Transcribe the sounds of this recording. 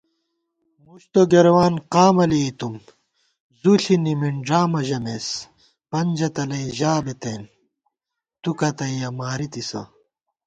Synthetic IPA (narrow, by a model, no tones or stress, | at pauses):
muɕt̪oɡeɾwaːnqaːmɐlit̪um | zuɬinimiɳɖaːmɐʑɐmes | pɐnd͡ʑɐt̪ɐlɐiʑaːbet̪eːn | t̪ukɐt̪ɐjjɐmaːɾit̪isɐ̰